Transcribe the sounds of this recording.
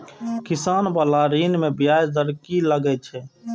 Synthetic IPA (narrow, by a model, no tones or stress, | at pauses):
kɪsaːnbalaːɾiːnmẽbɪjaːjd̪əɾkiləɡɛt͡ʃʰɛː